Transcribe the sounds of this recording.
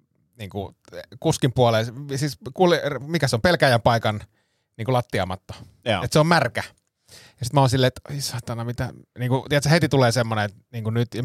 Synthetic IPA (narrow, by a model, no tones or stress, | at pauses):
niːŋku | kuskimpuolelsiːskulirmikæseompelkæjæmpɑikɑn | niːŋkulɑt̪ːiɑ̰mɑt̪ːo̥ | et̪seommærkæ | jɑsit̪mæoːnsilːeːet̪oisɑt̪ɑnɑmit̪æniːŋkut̪iet̪sæhet̪it̪uleːsemːoneet̪niːŋkunyt̪ɑ